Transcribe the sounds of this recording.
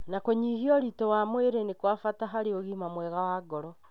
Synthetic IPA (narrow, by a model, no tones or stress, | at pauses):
nakoɲiːɣiɔɾitɔwamweɾenekwafataɦaɾeoɣiːmamwɛɣawaɡɔɾɔ